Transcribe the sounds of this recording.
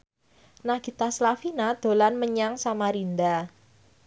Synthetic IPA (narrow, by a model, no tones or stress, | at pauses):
naɡ̥i̤t̪aslafinad̪̥o̤lanməɲaŋsamaɾind̪a